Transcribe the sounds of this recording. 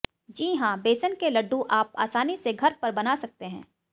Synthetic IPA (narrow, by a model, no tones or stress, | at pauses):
d͡ʒiːɦãbeːsənkelɐɖːũʔaːp̚a̰ːsaːniseɡʱɐɾpɐɾbɐnaːsɐk̚t̪eɦɛ̰̃ː